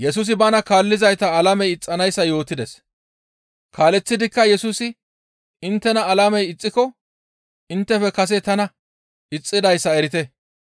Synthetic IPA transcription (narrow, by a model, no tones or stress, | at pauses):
jɛs̬uːs̬ɪbɐnɐkaːlːɪzɐjt̪ɐːlɐmɛjɪt͡sʼːɐnɐjsːɐjo̞ːt̪ɪd̪ɛs | kaːlɛt͡sːɪd̪ɪkːɐjɛsuːsɪ | ɪnt̪ːɛnɐːlɐmɛjɪt͡sʼːɪkɔ | ɪnt̪ːɛfɛkɐs̬ɛt̪ɐnɐ | ɪt͡sʼːɪd̪ɐjsːɐɛɾɪt̪ɛ